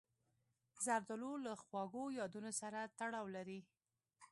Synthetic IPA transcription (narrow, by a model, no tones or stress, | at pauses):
zaɾd̪ʊlolaxwɑɡojɑd̪unosaɾat̪aɽɑwlaɾi